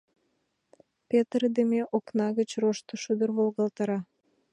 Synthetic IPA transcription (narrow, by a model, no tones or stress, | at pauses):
pʲet̪rd̪emeʔoknɑɣə̆t͡ɕroʃt̪oʃud̪ərβolɣɑlt̪ɑɾɑ